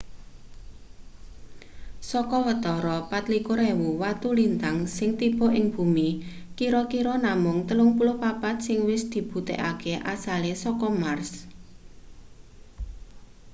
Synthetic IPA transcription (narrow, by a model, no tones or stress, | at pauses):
sɔkɔwət̪ɔɾɔpat̪likoɾewuwat̪ulint̪aŋsɪŋt̪ib̥ɔ̤ʔɪŋb̥ṳmi | kiɾɔkiɾɔnamʊŋt̪əlʊŋpulopapat̪̚sɪŋwɪsd̪̥i̤b̥ṳt̪ḛʔakeʔasalesɔkɔmars